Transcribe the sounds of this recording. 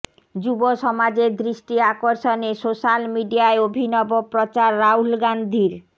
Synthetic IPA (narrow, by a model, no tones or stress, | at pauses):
d͡ʑuboʃɔmad͡ʑeɾd̪ɾiʃʈiakoɾʃonesoʃalmiɖijaeobʱinɔbopɾot͡ɕaɾːaulɡand̪ʱiɾ